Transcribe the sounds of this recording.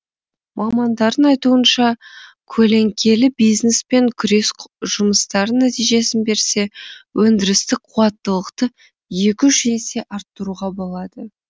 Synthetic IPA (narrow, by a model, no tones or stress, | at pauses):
mʔɑmɑnd̪ɑɾd̪ənɑjt̪uənʃɑ | kʲʰɵle̞ŋkʲʰe̞lɪbijznespe̞ŋkʲʰʏɾe̞sʒ̥ʊməst̪ɑɾənæt̪ijʒe̞sɪnbe̞ɾse̞wɵnd̪ɪɾɪst̪ɪkqʰuɑt̪ːəlˠəqt̪ə | je̞kʲɪʃese̞ʔɑɾt̪ːəɾuʁɑbo̞lˠɑd̪ə